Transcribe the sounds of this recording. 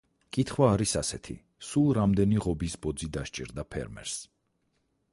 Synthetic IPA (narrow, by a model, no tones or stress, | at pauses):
kʼit̪ʰχwaːɾisasɛt̪ʰḭ | sulˠɾamd̪ɛniʁɔbisbɔd̪zid̪aʃt͡ʃʼḭɾd̪apʰɛ̰ɾmɛ̰ɾs